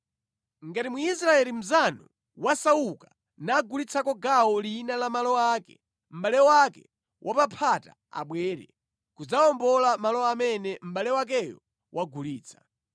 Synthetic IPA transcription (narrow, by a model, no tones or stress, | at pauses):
ŋɡatimuisɾaɛlim̩zanɔ | wasauka | naːɡulit͡sʰakɔɡaɔlinalamalɔakɛ | m̩ɓalɛwakɛ | wʔapapʰata | a̰ɓwɛːɾɛ̰ | kud͡zaɔmbɔlamalɔamɛnɛm̩ɓalɛwak̬ɛjɔ̰ | wʔaɡuliːt͡sʰḁ